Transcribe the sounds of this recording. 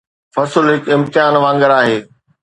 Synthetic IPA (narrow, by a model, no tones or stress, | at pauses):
fɐsəlɦɪkɪ̃mt̪ɪɦaːnʋãːŋɡəɾaːɦeː